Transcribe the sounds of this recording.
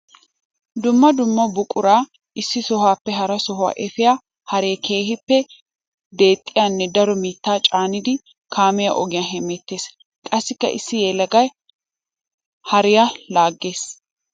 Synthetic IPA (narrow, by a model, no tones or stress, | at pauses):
d̪ʊmːɐd̪ʊmːɐbʊkʼʊɾaː | ʔɪsːɪsɔhaːpːɛɦɐɾɐsɔɦʊwa̰ʔɛfɪjaː | hɐɾeːkʰe̞ːhɪpːɛ | d̪e̞ːt̪ʼːɪjanːɛd̪ɐɾɔmiːt̪ːaːt͡ʃʼaːnɪd̪ɪ | kʰaːmɪjɐ̰ʔɔɡɪjaɦɛmɛt̪ːeːs | kʼɐsːɪkːɐ̰ʔɪ̰sːɪjeːlɐɡɐj | hɐɾɪjalaːɡːe̞ːs